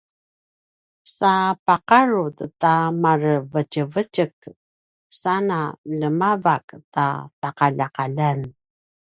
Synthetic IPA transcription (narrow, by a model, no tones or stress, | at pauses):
sapaqaɾuttamarvəcəvəcək | sanaləmavakta̰taqaʎaqaʎan